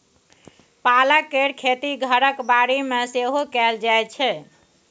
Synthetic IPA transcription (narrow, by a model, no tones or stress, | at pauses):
palakeɾkʰet̪iɡʱəɾəkbaɾimeseɦokɛld͡ʒajt͡ʃʰɛ